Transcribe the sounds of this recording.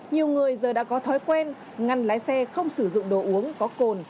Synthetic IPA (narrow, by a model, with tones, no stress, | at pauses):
ɲi˨˩əwŋɨ˨˩əjzəː˨˩ɗa̰ː˧˥kɔ˨˦t̪ʰɔ˨˦jkwɛ˧n | ŋa˨˩nlaː˨˦jsɛ˧xə˧wŋ͡msɨ˧˩zʊ̰˧˨ŋ͡mɗo˧˩ʔu˨˦əŋkɔ˨˦ko˨˩n